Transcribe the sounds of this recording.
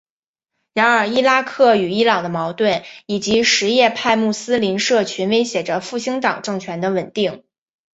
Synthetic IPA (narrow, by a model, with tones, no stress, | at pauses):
ɻa˧˥nə˞˨˧˩i˥la˥kʰɤ˥˩y˨˩i˥lɑ˨˩ŋd̪ə˦mɑ˧˥ʊt̪wə˥˩ni˨˩t͡ɕi˧˥ʂɻ̩˧˥jɛ˥˧pʰa˥˧ɪmu˥˩sɹ̩˥li˧˥nʂɤ˥˩t͡ɕʰy˧˥nwe˧˥ɪɕjɛ˨˩ʈ͡ʂə˦fu˥˩ɕi˥ŋt̪ɑ˨˩ŋʈ͡ʂɤ˥˩ŋt͡ɕʰɥɛ˧˥nd̪ə˧wə˨˩nt̪i˥˩ŋ